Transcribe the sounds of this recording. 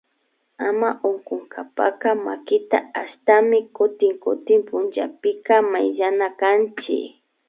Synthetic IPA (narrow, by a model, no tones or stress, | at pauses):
amaʔoɴkoŋkʰapa̰kamakɪt̪a̰aʃt̪amɪkʊt̪ɪŋkʊt̪ɪmpʊnt͡ʃapɪkamajʎanakant͡ʃɪ̰